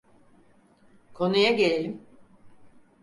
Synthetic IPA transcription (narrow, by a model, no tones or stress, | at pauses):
kʰo̞nujaɟe̞lʲelʲim